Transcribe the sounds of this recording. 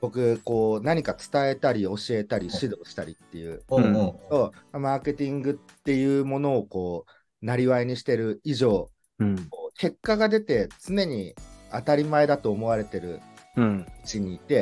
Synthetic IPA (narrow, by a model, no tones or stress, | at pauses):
bo̞kɯ̟ko̞ːnaɲ̟ikat͡sɨ̥t̪ae̞t̪aɾʲio̞ɕie̞t̪aɾʲiɕid̪o̞ːɕi̥t̪aɾʲit̪ːe̞jɯ̟ːto̞mamaːke̞t̪ʲĩŋɡɯ̟t̪ːe̞jɯ̟ːmo̞no̞ːko̞ː | naɾʲiβaeɲ̟iɕi̥t̪e̞ɾɯ̟iʑo̞ː | koːkʰe̞kːaɡad̪e̞t̪e̞t͡sɨne̞ɲ̟iat̪aɾʲimae̞d̪at̪o̞ːmo̞β̞aɾe̞t̪e̞ɾɯ̟̰ | ɯ̟t͡ɕiɲ̟iːt̪e̞